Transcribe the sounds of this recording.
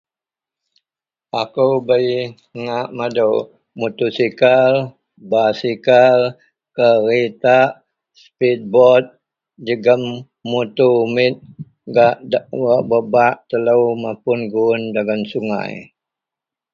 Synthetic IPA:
akuwbəi | ŋaʔmadəw | mut̪usikal | basikal | kəɾit̪aʔ | spit̪̚bɔt̪̚ | d͡ʒəɡəmː | ut̪umɪt̪̚ | ɡaʔdwaʔbəbaʔt̪ələwmapʊnɡuʊndaɡansuŋa̰j

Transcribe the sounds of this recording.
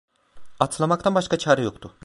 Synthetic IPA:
at̪ʰlˠamakt̪ʰanbaʃkat͡ʃʰaːɾɛjo̞kt̪ʰʊ

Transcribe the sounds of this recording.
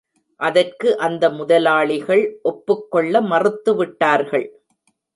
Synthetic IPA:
ʔɐðɐrkɯʔɐnd̪ɐmʊðɐlaːɭɪɣɐɭʔɔpːɯkːɔɭːɐmɐrɯt̪ːɯʋɪʈːaːɾɣɐɭ

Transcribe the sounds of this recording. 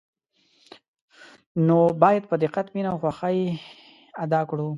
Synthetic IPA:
nobɑjad̪̚pəd̪ɪqat̪minawxwaxaj | ad̪ɑkɽu

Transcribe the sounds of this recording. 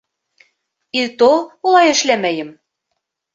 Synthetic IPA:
it̪oulˠɑjɘ̆ʃlæmæjɘ̆m

